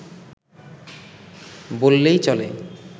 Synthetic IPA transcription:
bolːejt͡ɕɔle

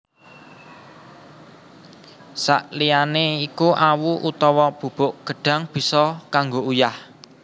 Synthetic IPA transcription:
sa̰ʔlijaneikuʔawuʔut̪ɔwɔb̥ṳb̥ʊ̤ʔɡ̥ə̤ɖ̥ä̤ŋb̥i̤sɔkaŋɡoujah

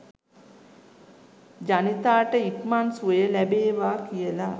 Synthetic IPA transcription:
d͡ʒanit̪aːʈəikmansuəjəlæbeːʋaːkijəla

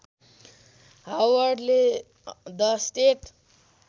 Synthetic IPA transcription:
ɦawʌrɖle | d̪ʌsʈeʈ

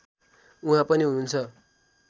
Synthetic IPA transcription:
uɦãpʌniɦununt͡sʰʌ

